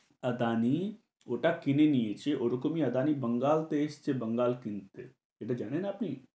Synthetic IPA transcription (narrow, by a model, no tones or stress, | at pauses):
ɐd̪aːni | oːʈakɪneniet͡ʃeʔoɾokomiɐd̪aːnibɐŋɡaːlt̪est͡ʃebɐŋɡaːlkɪnt̪e | eʈad͡ʒaːɽ̃enaɐpni